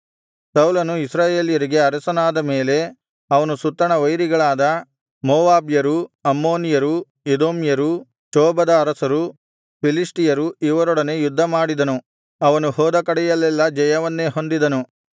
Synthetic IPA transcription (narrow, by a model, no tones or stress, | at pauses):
sɐwlɐnuisɾaːjeːljɐɾiɡe̞ɐɾɐsɐnaːd̪ɐme̞ːle̞ | ɐʋɐnusut̪ːɐɳɐʋɐjɾiɡɐɭaːd̪ɐ | moːʋaːbjɐɾuɐmːo̞ːnijɐɾu | ed̪oːmjɐɾu | t͡ʃɔːbɐd̪ɐːɾɐsɐɾu | pilisʈijɐɾuiʋɐɾɔɽɐne̞jud̪ʱːɐmaːɽid̪ɐnu | ɐʋɐnuhɔːd̪ɐkɐɽɛjɐlːɛlːɐd͡ʒɐjɐʋɐnːe̞ːɦo̞nd̪id̪ɐnu